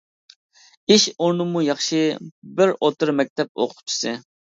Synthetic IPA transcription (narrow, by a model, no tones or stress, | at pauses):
iʃoɾnɨmujɑχʃɪbɪɾot̪ɨɾmɛk̚ʲt̪ʰɛp̚o̰qʰʊ̥p̚t͡ʃʰi̥sɨ